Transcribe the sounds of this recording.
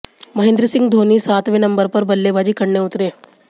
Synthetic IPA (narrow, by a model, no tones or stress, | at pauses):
məɦend̪ɾəsiŋɡd̪ʱoniːsat̪ʋenəmbəɾpəɾbəlːebad͡ʑiːkəɽɳeut̪ɾe